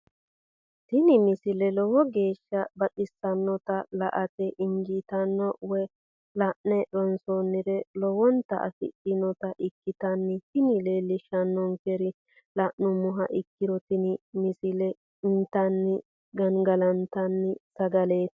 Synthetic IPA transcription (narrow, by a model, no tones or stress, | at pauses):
t̪ɪnɪmɪsɪlɛlɔwɔɡe̞ːʃːɐbɐtɪsːɐnːɔt̪ɐlɐ̰ʔɐt̪ɛʔɪŋɡiːt̪ɐnːɔwɛ | lɐʔnɛɗɔnsoːnːɪɾɛlɔwɔnt̪ɐ̰ʔɐ̰fɪ̰ɗɪnɔt̪ɐʔɪkːɪt̪ɐnːɪt̪ɪnɪle̞ːlːɪʃɐnːɔŋkɛɾɪ | lɐʔnʊmʊɦɐʔɪkːɪɾɔt̪ɪnɪmɪsɪlɛ | ɪnt̪ɐnːɪ | ɡɐŋɡɐlɐnt̪ɐnːɪsɐɡɐleːt̪